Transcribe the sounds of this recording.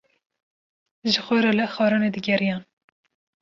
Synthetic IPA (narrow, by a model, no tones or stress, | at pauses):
ʒɨxʷɛɾɑlɛxɑːɾɑːned̪ɨɡʲɛɾijɑːn